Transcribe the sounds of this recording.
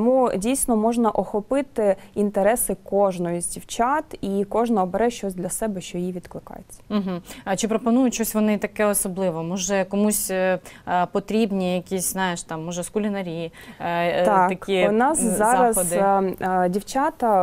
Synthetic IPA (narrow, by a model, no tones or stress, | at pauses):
mudʲijsʲnɔmɔʒnɐʔɔxɔpɪt̪ɪint̪eɾɛsɪkɔʒnɔjizʲdʲiwt͡ʃɑt̪ikɔʒnɐːbɛɾɛʃt͡ʃɔsʲd̪lʲɐsɛbɛʃt͡ʃɔjiʋʲid̪klˠɪkɑ̰jet͡sʲːɐ̥m̩ɦm̩t͡ʃɪpɾɔpɔnujʊtʲt͡ʃɔsʲʋɔnɪt̪ɐkɛɔsɔblˠɪʋɔmɔʒɛkɔmusʲ | pɔt̪ɾʲibnʲijɐkʲisʲznɑjeʃt̪ɑmːɔʒɛskʊlʲinɐɾʲi | t̪ɑɐkinɑzzɑɾɐzɔd̪ɪdʲiwt͡ʃɑt̪ɐ